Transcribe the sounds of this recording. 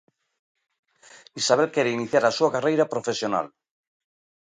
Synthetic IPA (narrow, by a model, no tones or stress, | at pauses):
isaβ̞elkeɾeiniθjaɾasuakarejɾapɾofesjona̰l